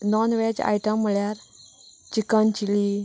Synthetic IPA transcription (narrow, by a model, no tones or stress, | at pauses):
nɔnʋed͡ʑa̰jʈəmːəɭjaɾ | t͡ɕikənt͡ɕili